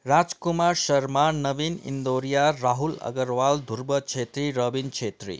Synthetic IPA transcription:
ɾad͡zkumaɾʃəɾmanʌbinḭnd̪oɾijaɾaɦulʌ̰ɡəɾʋald̪ʱuɾbʌt͡ʃʰet̪ɾiɾəbint͡ʃʰet̪ɾḭ

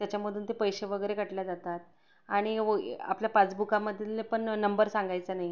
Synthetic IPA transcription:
t̪jat͡ɕjaməd̪ʱuːnt̪epəjɕeʋəɡəjɾekəʈljad͡zat̪at̪̚ | aɽ̃ia̰pljapat͡sbukaməd̪ʱjilepəɳːəmbəɾsãŋɡajt͡sənaɦi

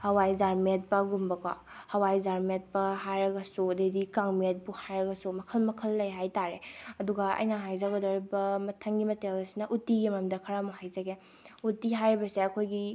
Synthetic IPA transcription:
hɐwajzaɾmet̚pɐɡumbɐka̰ | hɐwajzaɾmet̚pɐhajɾɐɡɐsudedikaŋmet̚buhajɾɐɡɐsumɐkʰɐlmɐkʰɐlːɐjɦajtaɾeɐduɡɐɐ̰jnɐɦajzaɡɐdoɾibɐmɐtʰɐŋɡimɐtelɐsinɐʔutiɡimamdɐkʰɐɾamahajzɐɡe | utiɦajɾibɐseɐkʰojɡi

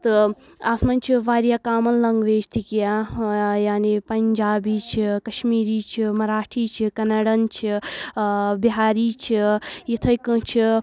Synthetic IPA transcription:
t̪ɨ | aːsʰmɐnʲt͡ʃʰiʋaːɾjakaːmɐnlɐŋɡʋeːt͡ʃt̪ʰikijajaːnipɐɲd͡ʒaːbiːt͡ʃʰikɐʃmiːɾiːt͡ʃʰimɐɾaːʈʰiːt͡ʃʰikɐnaːɽɐnt͡ʃʰi | biɦaːɾiːt͡ʃʰijit̪ʰɐjkɨt͡ʃʰi

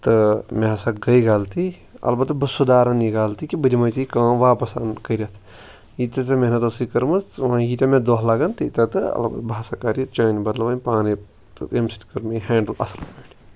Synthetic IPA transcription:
t̪ɨmʲeɐsakɡɐjɡaːlt̪i | ɐ̰lbɐt̪bɨsud̪aːɾɐniɡaːlt̪ikibɨd̪ʲimɐjt͡sikãːʋaːpɐsa̰nkəɾɐt̪ʰ | jit̪ɐt̪ɐmeɦnɐt̪ɐsikɐɾmɨt͡sʋɐ̃jit̪ʲɐmẽd̪oːɦlaːɡɐnt̪ɨit̪ɐt̪ɨɐ̰lbɐ̰t̪bʱaːsakaːɾit͡ʃaːjnibɐd̪lɐʋɐ̃nʲpaːni | t̪ɨemsi̥ʈi̥kɐɾmiɦɛːɳɖəlɐ̰slpeːʈi

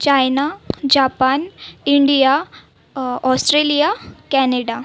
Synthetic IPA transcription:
t͡ɕajnad͡ʑapaniɳɖija | ɔsʈɾelijakɛneɽa

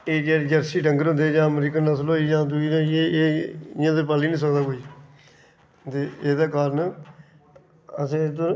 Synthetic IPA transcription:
eːd͡ʒɛːɾd͡ʒəɾsiːʈəŋɡəɾɦʊ̃nd̪eːd͡ʒãːəmɾiːkənnəsloːiːd͡ʒãːd̪ʊiːɾãːeːejãːd̪əpaːliːnĩːs̬əkd̪aːkoːiː | t̪eːeːd̪aːkaːɾən | əsẽːd̪õ

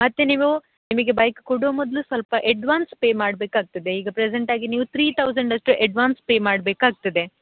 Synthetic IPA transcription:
mɐt̪ːeniʋu | nimɐɡe̞bɐjkkoɽoːmɔd̪lusʋɐlpɐʔeɖʋaːnspe̞ːmaːɽbeːkaːɡ̚t̪ɐd̪e̞iːɡɐpɾɛseɳʈaːɡiniːʋut̪ʰɾiːt̪ʰɐwzɐɳɖɐsʈɾuʔɛɖʋaːnspeːmaːɽbeːkaːɡ̚t̪ɐd̪e

